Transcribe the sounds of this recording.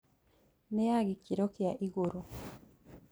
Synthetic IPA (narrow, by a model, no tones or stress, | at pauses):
nejaɡikiɾokijaʔiɡuɾu